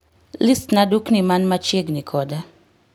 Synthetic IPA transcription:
list̪naduknimanmat͡ʃeɡnikʰɔda

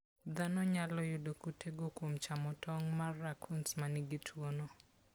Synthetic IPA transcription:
d̪anɔɲalɔjudokutʰeɡokwomt͡ʃamɔtʰɔŋmarːakʰunsmaniɡitʰwono

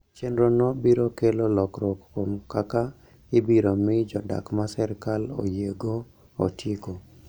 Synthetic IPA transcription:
t͡ʃenɾonɔbiɾokelolɔkɾokkomkaka | ɪbiɾomɪd͡ʒɔda̰kmasɛɾkalo̰jeɡo | o̰tjeko

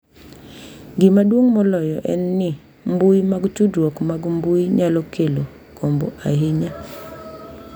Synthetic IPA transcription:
ɡɪmadwoŋmɔlɔjɔʔɛ̰nːɪ | mbuimaɡt͡ʃudwɔkmaɡmbuiɲalɔkelo | kombo̰ʔaɦɪɲa

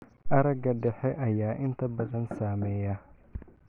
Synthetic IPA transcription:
ʔɐɾɐɡɐɖɛħɛʔɐjaːʔɪnt̪ʰɐbɐðɐnsaːmɛːjɐ

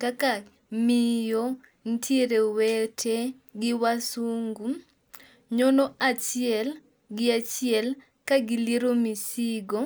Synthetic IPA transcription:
kaka | mijo | n̩tʰiɾewɛtʰe | ɡɪwasuŋɡu | ɲonoat͡ʃjɛl | ɡɪat͡ʃiɛl | kaɡiliɾomisiɡo

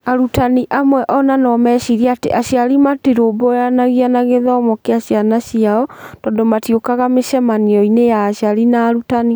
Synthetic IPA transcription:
aɾutaniʔamwɛʔɔnanɔmɛɕiɾiateʔaɕjaɾimatiɾobɔjanaɣianaɣeðɔmɔkeaɕjanaɕiaɔtɔːndomatjokaɣameʃɛmaniɔinejaːɕiaɾinaːɾutani

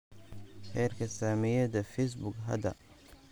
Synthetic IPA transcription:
ħɛːrkʰɐsaːmɪjɐdɐfɛjs̬bʊɡɦɐ̰d̪ɐ̰

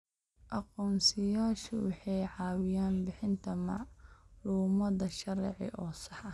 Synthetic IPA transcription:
ʔɑqɔːmsɪjaːʃʊwɑħɑjʕɑːwɪjaːnbɪħɪnt̪ʰɐmɑʕluːmɐðɐʃɐɾɛʕɪ̰ʔɔːsɑħɐ

